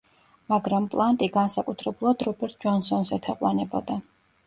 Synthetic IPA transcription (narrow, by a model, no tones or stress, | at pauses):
maɡɾampʼlˠant̪ʼiɡansakʼut̪ʰɾɛbulˠad̪ɾɔbɛɾt̪̚ʰd͡ʒɔnsɔnzɛt̪ʰɛqʼwanɛbɔd̪a